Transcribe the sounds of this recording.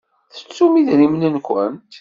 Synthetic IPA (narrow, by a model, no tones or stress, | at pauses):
θə̥t͡sːumiðnimnənkʷə̰nt̪